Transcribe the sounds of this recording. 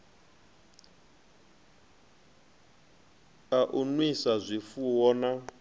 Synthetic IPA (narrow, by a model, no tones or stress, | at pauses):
kʼaʔunwisazʷifuwɔna